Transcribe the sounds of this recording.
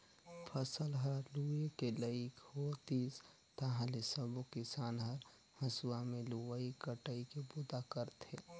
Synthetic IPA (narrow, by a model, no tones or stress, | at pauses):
pʰəsəlɦəɾluekeləɪkhot̪iːs | t̪əɦãlesəbokɪsaːnɦəɾ | həsuwamẽluəikəʈəikebud̪akəɾt̪ʰe